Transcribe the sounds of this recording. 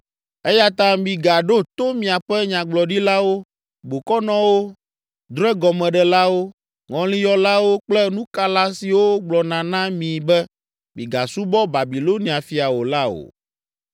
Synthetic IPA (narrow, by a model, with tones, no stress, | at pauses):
ɛ˦ja˦t̪ã˦mĩ˨ɡa˨ɖo˦t̪o˦mĩ˨a˨ɸɛ˦ɲã˨ɡ͡blɔ˨ɖi˦la˦wo˦ | bo˨kɔ˦nɔ̃˦wo˦ | d̪ɾɛ˦ɡɔ˨mɛ̃˨ɖɛ˨la˦wo˦ | ŋɔ̃˨lĩ˦jɔ˦la˦wo˦k͡plɛ˦nũ˦ka˦la˦si˨wo˦ɡ͡blɔ˨nã˨nã˦mĩ˨bɛ˦ | mḭ̃˨ɡa̰˨su˦bɔ˦ba˨bi˨lo˦nĩ˨a˨fi˦a˨wo˨la˦o̰˨